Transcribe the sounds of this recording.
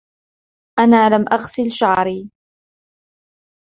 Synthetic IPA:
ʔanaːlamʔaɣsɪlʃaʕɾiː

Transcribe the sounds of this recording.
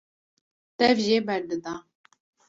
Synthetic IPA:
t̪ɛvʒeːbɛɾd̪ɨd̪ɑ

